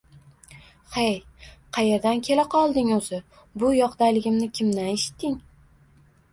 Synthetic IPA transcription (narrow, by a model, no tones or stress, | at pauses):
χejqʰɑjeɾd̪ankʲʰe̞laqʰɒlˠd̪ɪŋɵzɪ | bʊjɒqd̪ajlɪɡʲɪmnɪkʲʰɪmd̪aneʃɪ̥t̪ʰːɪŋ